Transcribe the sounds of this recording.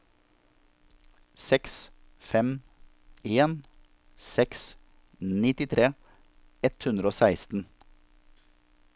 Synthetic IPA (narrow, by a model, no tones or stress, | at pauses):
sɛks | fɛm | eːn | sɛks | nɪt̪ɪt̪ʰɾeː | ɛt̪hʉnd̪ɾoːsæɪst̪n̩